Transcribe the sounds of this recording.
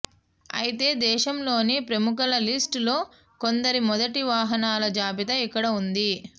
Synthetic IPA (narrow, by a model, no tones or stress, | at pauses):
ɐ̰jit̪e̞ːd̪ɛːʃɐmlo̞ːnipɾɐmukɐlɐlisʈlo̞ː | kond̪ɐɾimɔd̪ɐʈiʋaːɦɐnaːlɐd͡ʒaːpit̪ɐikːɐɽɐund̪i